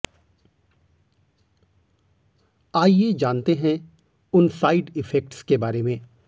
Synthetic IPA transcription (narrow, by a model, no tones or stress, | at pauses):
aːjed͡ʒaːnt̪eɦɛ̃ | ʊnsaːɪɖɪfɛk̚ʈskebaːɾemẽː